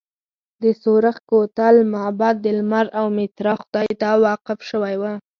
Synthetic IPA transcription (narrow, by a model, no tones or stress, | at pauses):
d̪əsoɾaxkot̪almabɑd̪̚ːəlmaɾawmɪt̪ɾɑxʊd̪ɑjt̪ɑwɑqɪfʃəwajwa